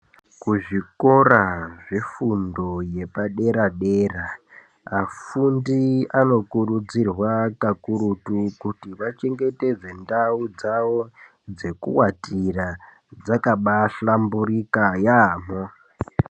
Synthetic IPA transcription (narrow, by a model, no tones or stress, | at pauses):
kuʐiko̞raʐifundo̞je̞paɗe̞ɾaɗe̞ra | afundiano̞kurud͡zirwakakuɾutukutiʋat͡ʃe̞ŋɡe̞te̞d͡ze̞ndaud͡zaʋo̞ | d͡ze̞kṵwatira | d͡zakaɓaɬamburikajaːmo